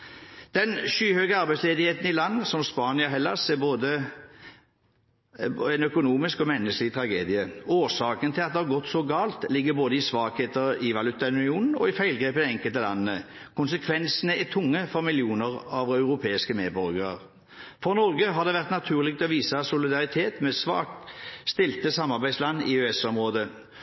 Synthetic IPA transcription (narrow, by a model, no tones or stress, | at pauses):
d̪̥ɛnʃyːhøɡəɑʁbæɪtsleːd̪ɪheːt̪n̩ɪlɑnːsɔmspɑːnɪɔɦɛlːɑseboːd̪ə | ɛnœkʊnuːmɪskɔmɛnːəsklɪt̪ʰɾɑɡḛːd̪ɪəoːʁsɑːkənt̪ʰɪlɑt̪̚d̪ɛhɑʁɡɔt̪ːsɔɡɑːlt̪lɪɡːəboːd̪əɪsʋɑːkheːt̪əɾɪʋɑlʉt̪ɑʉnɪuːnn̩ɔ̰ɪfæɪlɡɾeːpəd̪ɛɛŋkəlt̪əlɑnːəːə | kʊnsəkʰʋɛnsənəæt̪ʰʊŋːəfɔʁmɪlɪuːnəʁɑʋɑʉʁʊpʰeːɪskəmeːd̪bɔɾɡəʁə̰ʁ | fɔʁnɔɾɡəɦɑʁɾd̪ɛʋæʁt̪nɑt̪ʰʉːʁlɪɡ̚t̪ʰɛɔʋiːsɑsʊlɪd̪ɑʁɪt̪ʰeːt̪mɛsʋɑ̰ːk̚t̪st̪ɪlt̪əsɑmːɑʁbæɪslɑnːɪ̰øɛsɔmʁoːd̪ə